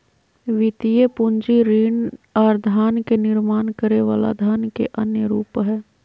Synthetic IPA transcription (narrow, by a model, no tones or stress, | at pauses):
ʋɪt̪ijepʊnd͡ʒiɾiːnɔːɾd̪ʱaːnkenɪɾmaːnkəɾeʋaːla̰d̪ʱaːnkḛʔənjəɾuːpɦɛː